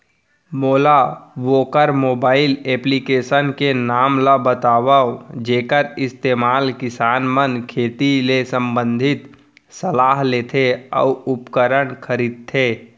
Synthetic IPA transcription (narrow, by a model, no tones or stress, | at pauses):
moːlaʋoːkəɾmoːbaːɪleːplikeːʃənkenaːmlabət̪aːʋaod͡ʒeːkəɾɪst̪eːmaːlkɪsaːnmənkʰeːt̪ilesə̃mbə̃nd̪ʱɪt̪ | səlaːɦleːt̪ʰeɔ̰ːʊpkəɾəɽ̃kʰəɾiːd̪̚t̪ʰːeː